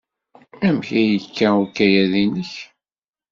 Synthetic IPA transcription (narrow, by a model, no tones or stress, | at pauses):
æmçæjəkːæuɾkːæjæðinəç